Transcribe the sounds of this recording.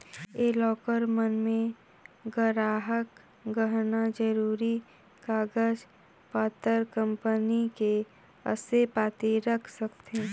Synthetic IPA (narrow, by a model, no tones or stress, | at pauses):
eːlɔːkəɾmənmẽ | ɡəɾaːɦək | ɡəɦnad͡ʒəɾuːɾi | kaːɡəd͡ʒ | paːt̪əɾkə̃mpənike | ə̰sepaːt̪iɾəkʰsəkt̪ẽː